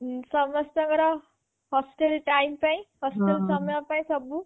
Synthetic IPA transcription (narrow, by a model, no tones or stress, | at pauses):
sʌmʌssʌŋɡʌɾʌ | hɔsʈelʈajmpaĩhɔsʈelsʌmjɔ̃paĩsʌbu